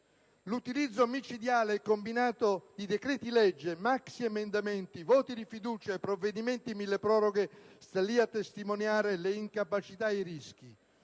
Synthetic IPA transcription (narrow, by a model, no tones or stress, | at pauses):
lut̪ilid̪zːomit͡ʃid̪jaːleɛkːombinaːt̪od̪id̪ekɾɛːt̪ilɛd͡ʒːemaksiemend̪amɛnt̪ivɔːt̪id̪ifid̪uːt͡ʃaepːɾovːed̪iment̪imilːepɾɔːɾoɡest̪alːiat̪ːest̪imonjaːɾeleiŋkapat͡ʃit̪aeɾisk̟i